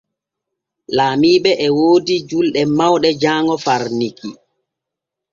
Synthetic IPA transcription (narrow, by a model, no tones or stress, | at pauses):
laːmiːɓɛʔɛwoːdid͡ʒulɗɛmawɗɛd͡ʒaːŋɔfaɾniki